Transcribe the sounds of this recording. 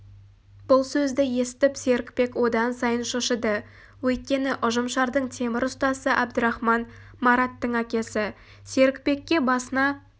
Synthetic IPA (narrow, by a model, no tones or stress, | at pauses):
b̥ʊlˠsɵzd̪ɪje̞sɪ̥t̪ɪpse̞ɾɪkpe̞kwo̞d̪ɑnsɑjənʃoʃəd̪ə | wɵjt̪̚kʲe̞nɪʔʊʒəmʃɑɾd̪əɴt̪ʰe̞mɪɾʊst̪ɑsəʔæbd̪əɾɑχmɑn | mɑɾɑt̪ːəɴækʲe̞sɪ | se̞ɾɪkpe̞kʲːe̞bɑsənɑ